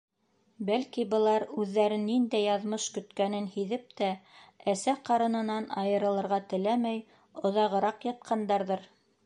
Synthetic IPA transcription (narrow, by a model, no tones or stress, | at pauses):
bælkibɤ̆lˠɑɾʉðːæɾɘnːind̪æjːɑðmɤʃkɵ̆t̪kænɘnhiðɘp̚t̪ææsæqɑɾɤ̆nɤ̆nɑnɑjɤ̆ɾɤ̆lˠɤ̆ɾʁɑt̪ɘ̆læmæj | ŏðɑʁɤ̆ɾɑqjɑt̪̚qʰɑnd̪ɑɾðɤɾ